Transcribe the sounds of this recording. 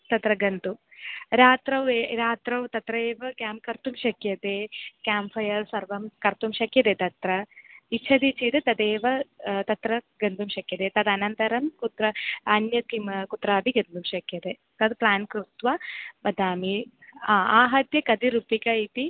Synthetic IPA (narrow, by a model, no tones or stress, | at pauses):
t̪ɐt̪ɾɐɡɐnt̪uɾaːt̪ɾɐʋeːɾaːt̪ɾɐʋt̪ɐt̪ɾɐeːʋɐkjaːmkɐɾt̪umʃɐkjɐt̪ekʲaːmpʰɐjɐɾsɐɾʋɐmkɐɾt̪umʃɐkjɐt̪et̪ɐt̪ɾɐitːt͡ʃʰɐd̪it͡ʃʰit̪ɐt̪ɐd̪eːʋɐt̪ɐt̪ɾɐɡɐnd̪umʃɐkjɐt̪et̪ɐd̪ɐnɐnt̪ɐɾɐmkut̪ɾɐɐnjɐkimkut̪ːɾaːbʱiɡɐnd̪umʃɐkjɐt̪e | t̪ɐd̪plaːnkɾut̪ʋɐbɐd̪ʱaːmiaːaːɦɐt̪jɐkɐd̪iɾupikɐit̪i